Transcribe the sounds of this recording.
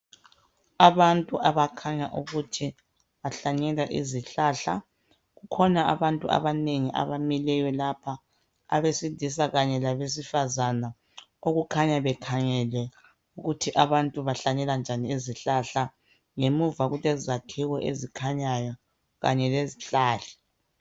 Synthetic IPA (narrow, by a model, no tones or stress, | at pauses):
aβantʼuʔaβakʰaɲaʔuɣutʰi | βaɬaɲɛlaʔḭziɬaːɬa | ɣukʰɔnaaβantʼua̰βaneŋiʔa̰βamilɛjɔlapʰa | a̰βesidʱisaɣaɲɛlaβes̬ifazana | oɣukʰaɲaβɛkʰaŋɛlwɛ | uɣutʰiʔaβantʼuβaɬaɲɛland͡ʒʱaniiziɬaɬa | ŋemuvaɣulɛzakʰiwɔʔḛzikʰaɲajɔ | ɣa̰ɲɛleziɬaːɬḁ